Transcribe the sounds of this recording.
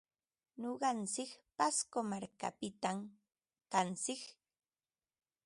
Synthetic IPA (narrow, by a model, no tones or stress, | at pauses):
noɢɑnt͡sɪkpaskomaɾka̰pɪt̪am | kant͡sɪk